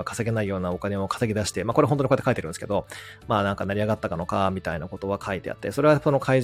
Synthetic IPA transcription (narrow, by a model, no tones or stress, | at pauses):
akḁse̞ɡe̞naijo̞ːnao̞kane̞o̞kḁseɡʲid̪aɕi̥t̪emakoɾeɦõnt̪oɲikoet̪ːekait̪eɾɯ̟̃nesɨ̥ke̞d̪o̞maːnãŋkanaɾʲiaɡat̪ːakano̞kamʲit̪ainako̞t̪o̞βakʰait̪e̞̰a̰t̪ːe̞so̞ɾe̞βaso̞no̞kʰaiʑ